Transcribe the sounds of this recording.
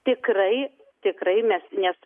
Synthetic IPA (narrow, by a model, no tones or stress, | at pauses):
t̪ʲɪkrɐɪ | t̪ʲɪkɾɐɪmʲɛsnʲɛs